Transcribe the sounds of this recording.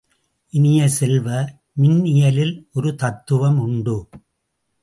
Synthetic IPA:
ʔɪnɪjɐsɛlʋɐ | mɪnɪjɐlɪlʔɔɾɯt̪ɐt̪ːɯʋɐmʊɳɖɯ

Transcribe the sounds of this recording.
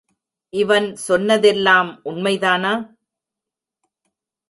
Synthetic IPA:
ʔɪʋɐnsɔnːɐðɛlːaːmʔʊɳmɐɪðaːnaː

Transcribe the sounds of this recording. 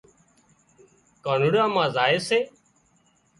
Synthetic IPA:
kaːnuɽãːmãːzaːeːseː

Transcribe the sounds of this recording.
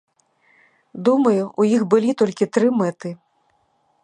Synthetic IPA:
d̪umɐjuʔujixbɨlʲit̪ɔlʲkʲit̪ɾɨmɛt̪ɨ

